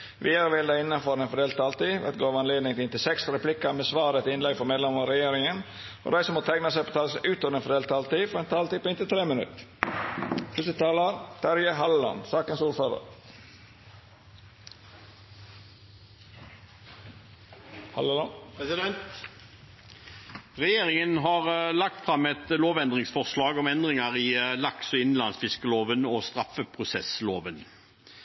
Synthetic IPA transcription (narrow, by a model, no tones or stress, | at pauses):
ʋiːɑɾʋɪld̪æɪɪnːɑnfɔɾɛnfɔɖ̪eːlt̪ɑːlt̪iːʋɛ̰t̪̚ɡoːʋɑnleːd̪nɪŋt̪ɪnt̪ɪsɛksɾɛpʰlɪkɑmeːsʋɑːɾət̪ɪɪnlɛɡfɔɾmeːd̪lɛməɔɾɛjeːɾɪŋən | ʔo̰ːd̪æɪsɔmoːt̪ʰæɪŋnəsæɪpʰoːt̪ʰɑːləsæʔʉːt̪ɔːd̪enfɔɖ̪eːlt̪ɑːlt̪iːfɔɾɛnt̪ʰɑːlt̪iːpʰɔɪnt̪ɪt̪ʰɾeːmənʉ̰t̪ | pʰʉsət̪ɑːləɾt̪ʰæɾjəɦɑləɑ̰nsɑːkənsuːɾføːɾə̰ɾ | hɑ̰lpɛsɪd̪ɛnt̪ | ʁɛjeːʁɪŋənɦɑːʁlɑk̚t̪fʁɑmɛt̪loːʋɛnd̪ʁɪŋsfɔʁslɑːɡɔmɛnd̪ʁɪŋɑʁilɑksɔɪnn̩lɑnsfɪskəloːʋənɔst̪ʁɑfəpʰʁʊsɛsloːʋən